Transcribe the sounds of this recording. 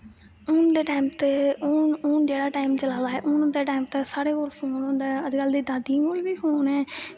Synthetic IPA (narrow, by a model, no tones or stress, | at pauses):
ʊːnd̪eːʈaːimt̪eʊnʊːnd͡ʒeːɽaːʈaːɪmt͡ʃəlaːd̪aːɦɛ̰ːʔʊːnd̪eːʈaːɪmt̪esaːɽeːkoːlpʰoːnɦõːnd̪aːəd͡ʒkald̪iːd̪aːd̪ĩːkoːlbiːpʰoːnɦɛː